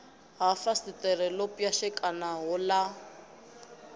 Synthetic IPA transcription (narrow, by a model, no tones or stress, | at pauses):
ɦafasitʼɛɾɛlopʼjaʃɛkʼanaɦʊla